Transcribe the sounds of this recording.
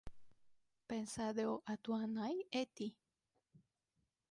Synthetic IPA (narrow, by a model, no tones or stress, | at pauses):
pensaðeoʔat̪uanajet̪i